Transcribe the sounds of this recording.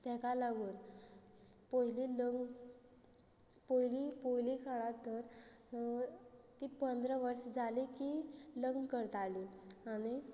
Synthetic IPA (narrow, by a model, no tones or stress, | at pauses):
t̪ɛkalaɡuːn | pəɦililəŋɡ | poɦilipoɦilikʰaɭãt̪əɾ | t̪iːpənd̪ɾəʋəɾsd͡zʱalikiːləŋɡkəɾt̪aliaɽ̃i